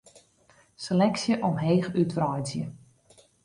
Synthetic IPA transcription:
selɛksjəʔɔmɦeːxytʋrɔjzjə̰

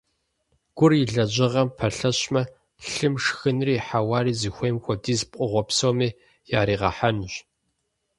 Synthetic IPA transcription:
ɡ̥ʷʊrɪɮɐʑʼɪʁɐmpʰɐɬɐɕmɐ | ɬɨmʂxɨnriːħawaːriːzixʷejmxʷɔdiːzp̚qʷʼʊʁʷɔpsoːmiː | jaːɾiːʁɐ̰ħanɕʷ

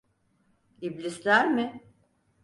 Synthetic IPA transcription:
iblʲislʲæɾmɪ

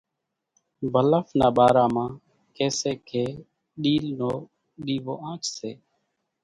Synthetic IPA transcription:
bʱələfnaːɓaːɾaːmãː | keːseːkʰeː | ɗiːlnoː | ɗiːʋoːʔãːt͡ʃseː

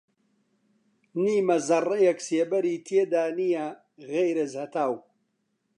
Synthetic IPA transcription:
niːmɐzɐrɐjɐkseːbɐɾiːt̪ʰeːd̪aːnijɐ | ɣejɾɐzhɐt̪ʰaːw

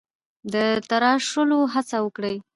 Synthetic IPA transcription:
d̪ət̪aɾɑʂəloɦat͡sawəkɽəj

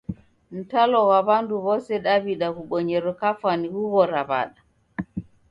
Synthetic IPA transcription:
n̩talɔwaβanduβɔsɛɗaβiɗakuɓɔɲɛɾɔkafanihuɣɔɾaβa̰ɗa

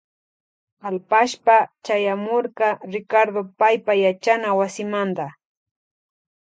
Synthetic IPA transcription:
alpaʃpat͡ʃajamoɾkɑɾɪkaɾd̪opajpajat͡ʃanawasɪmand̪a

